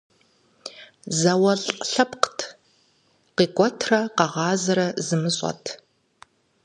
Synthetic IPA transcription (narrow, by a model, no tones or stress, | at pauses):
zɐwɐɬʼɬɐpqtʰ | qiːɡʷʼɔtʰrɐqɑʁɑːzɐɾɐzɨmɨɕʼɐ̰tʰ